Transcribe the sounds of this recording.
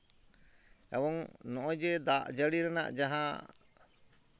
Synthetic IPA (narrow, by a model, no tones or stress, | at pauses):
ɛ̰bɔŋnɔʔɔ̃d͡ʒɛd̪aʔd͡ʒəɽiɾɛna̰ʔd͡ʒaɦã